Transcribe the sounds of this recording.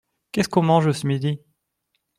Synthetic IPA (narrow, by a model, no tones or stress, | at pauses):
kʲɛskɔ̃mɑ̃ʒəsəmid̪i